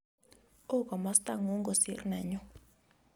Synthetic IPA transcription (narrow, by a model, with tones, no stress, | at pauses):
o˦kɔ˨ma˦st̪a˦˨ŋu˦ŋɡo˨si˦rna˨ɲɔ˦